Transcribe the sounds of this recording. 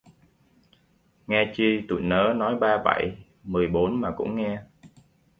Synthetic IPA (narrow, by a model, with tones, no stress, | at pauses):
ŋɛ˧t͡ɕi˧t̪ṵ˧˨nəː˨˦nɔ˨˦jɓaː˧ɓa̰˧˩j | mɨ˨˩əjɓo˨˦nmaː˨˩kʊ̰˧˥ŋ͡mŋɛ˧